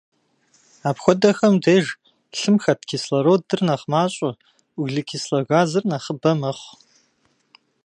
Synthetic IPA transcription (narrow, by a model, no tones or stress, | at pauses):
apxʷɔdɐxɐmdʰeːʒ | ɬɨmxɐtkʲʰislɐɾowddɨrnaχmaːɕʷʼa | uɡɮɨkʲʰislɐɣaːzɨrnaχəbɐmɐχʷ